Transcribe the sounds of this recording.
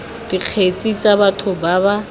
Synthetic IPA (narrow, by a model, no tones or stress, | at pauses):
d̥iq͡χʰet͡sʼit͡sʼabatʰʊbaːba